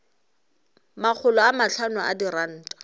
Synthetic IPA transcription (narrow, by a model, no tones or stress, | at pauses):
mak͡xʰʊlɔamaɬʰanʊa̰diran̩ːtʼḁ